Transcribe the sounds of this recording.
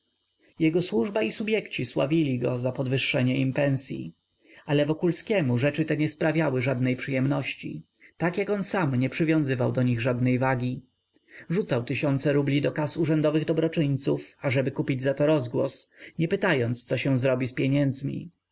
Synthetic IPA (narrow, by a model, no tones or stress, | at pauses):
jɛɡɔswuʐbaisubʲjɛkt͡ɕiswa̰vʲilʲiɡɔzapɔd̪vɘʂːɛɲɛimpɛñsʲjḭ | alɛvɔkulskʲɛmuʐɛt͡ʂɘt̪ɛɲɛspɾavʲjawɘʐad̪nɛjpʂɘjɛmnɔɕt͡ɕḭ | t̪akjakɔnsamɲɛpʂɘvʲjɔ̃w̃zɘvawd̪ɔɲiɣʐad̪nɛjvaɡʲi | ʐut̪sawt̪ɘɕɔnt̪sɛɾublʲid̪ɔkasuʐɛnd̪ɔvɘɣd̪ɔbɾɔt͡ʂɘɲt̪sufaʐɛbɘkupʲid͡ʑzat̪ɔɾɔzɡwɔ̰sɲɛpɘt̪ajɔnt̪st̪sɔɕɛw̃zɾɔbʲispʲjɛɲɛnd̪zmʲḭ